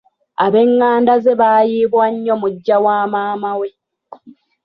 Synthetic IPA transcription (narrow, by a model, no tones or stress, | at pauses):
aβe̞ŋːaːndazeβaːjiːβwaɲːo̞muɟːawaːmaːmawe̞